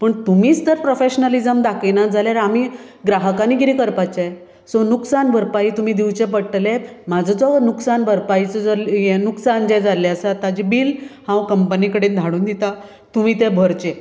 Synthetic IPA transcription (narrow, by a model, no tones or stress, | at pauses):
pəɳt̪umiːt͡st̪əɾpɾofeɕnəlid͡zəmd̪akinad͡zʱaljaɾami | ɡɾaɦəkaniːɡiɾikəɾpat͡ɕaj | sɔnuksanbʱəɾpaɦit̪um̤iːd̪iwt͡ɕepəɽʈlemad͡zʱəd͡zɔnuksanbʱəɾpait͡səd͡zɔljenuksand͡ʑɛd͡zalɛəsaat̪ad͡ʑibiːlhãwkəmpənikəɽend̪ʱaɽ̃uːnd̪it̪a | t̪um̤iːt̪ebʱəɾt͡ɕe